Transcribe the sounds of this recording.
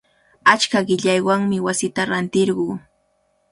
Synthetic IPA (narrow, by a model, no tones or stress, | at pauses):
at͡ʃkaɢɪʎajwaŋmɪwasɪt̪aɾant̪ɪɾɢuː